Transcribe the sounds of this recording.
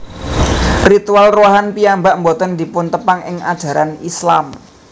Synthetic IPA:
rit̪ualroɦanpiambaʔmbot̪ənd̪i̤pʊnt̪əpaŋɪŋa̰d̥ʒ̥ä̤ɾanislam

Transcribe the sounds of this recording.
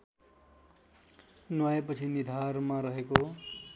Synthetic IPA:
nwaepʌt͡sʰinid̪ʱarmaɾʌɦeko

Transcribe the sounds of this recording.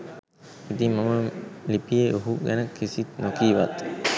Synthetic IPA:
it̪iŋmaməlipijeʔoɦuɡɛnəkʰːisit̪nokiːʋat̪

